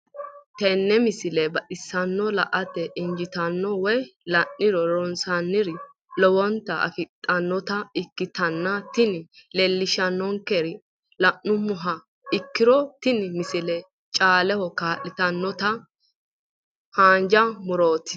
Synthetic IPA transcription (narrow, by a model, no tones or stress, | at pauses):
t̪ɛnːɛmɪsɪlɛbɐʔɪsːɐnːɔlɐʔɐt̪ːɛʔɪnd͡ʒɪt̪ɐnːɔwɔjlɐnːɪɾɔɾɔnsɐnːɪɾɪ | lɔwɔnt̪ːɐʔɐ̰fɪt̪ʼːɐnːɔt̪ɐɪkːɪt̪ɐnːɐt̪ɪnɪlɛlːɪʃɐnːɔŋkɛɾɪ | lɐʔːʊmʊɦɐ | ɪkːɪɾɔt̪ɪnmɪsɪlɛ | t͡ʃʼaːlɛhɔkaːʔːɪt̪ɐnːɔt̪ɐ | haːnd͡ʒɐmʊɾoːt̪ɪ̥